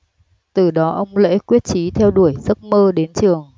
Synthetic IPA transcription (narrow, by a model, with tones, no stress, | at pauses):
t̪ɨ˨˩ɗɔ˨˦ʔə˧wŋ͡mlḛ˧˥kwi˦˥ət̚t͡ɕi˨˦t̪ʰɛ˧wɗu˧˩əjzə˦˥t̚məː˧ɗe˨˦nt͡ɕɨ˨˩əŋ